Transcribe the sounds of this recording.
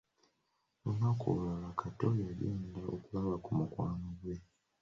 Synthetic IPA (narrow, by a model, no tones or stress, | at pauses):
unako̰lulalakʰato̞jaliːndao̰kulaβakumukwaːnoɡwe̞